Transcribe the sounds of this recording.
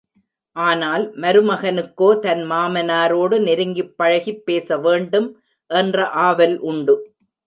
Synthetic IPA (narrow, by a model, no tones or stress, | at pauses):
ʔaːnaːlmɐɾɯmɐɣɐnɯkːoːt̪ɐnmaːmɐnaːɾoːɽɯnɪɾɯŋɡɪpːɐɻɐɣipːeːsɐʋeːɳɖɯm | ʔɛndrɐʔaːʋɐlʔʊɳɖɯ